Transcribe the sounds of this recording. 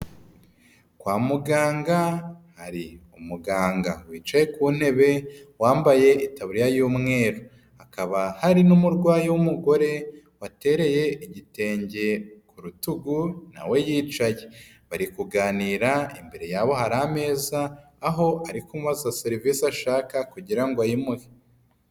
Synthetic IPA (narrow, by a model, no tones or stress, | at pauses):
kwaːmuɡaːŋɡahaɾiumuɡaːŋɡawiːt͡ʃaje̞kuːn̥he̞βe̞waːmbaje̞itaβuɾijajuːmŋe̞ːɾo | akaβahaɾinumuɾɡwaːjiwumuɡo̞ɾe̞ | wate̞ɾe̞je̞iɟite̞ːɲɟe̞kuɾutuɡuna̰we̞jiːt͡ʃaje | βaɾikuɡaːniːɾaimbe̞ɾe̞jaːβo̞haɾame̞ːzaː | ɦo̞aɾikomuβazizaseɾiviːsaʃaːkakuɟiɾaŋɡoajimuwe